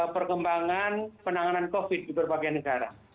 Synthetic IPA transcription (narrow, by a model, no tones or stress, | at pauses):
pərkəmbaŋanpənaŋanankofɪd̚ːibərbaɡanəɡaɾa̰